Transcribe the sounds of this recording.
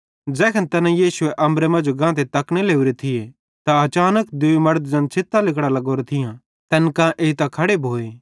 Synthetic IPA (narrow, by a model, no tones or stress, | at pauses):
d͡ʒɛːkʰənt̪ɐnãjiːsʊeʔɐ̃mbɾemɐ̃ːd͡ʒoɡãːt̪̬et̪ɐkɽ̃eleːuɾet̪ʰɪje | t̪ãɐt͡ʃaːnəkd̪ʊimɐɾd̪̚d͡ʒɐ̃nt͡ʃʰɪt̪ːãlɪkɽalɐɡoːɾet̪ʰɪjã | t̪ɛːnkãʔeːit̪akʰɐɽebʱoːeː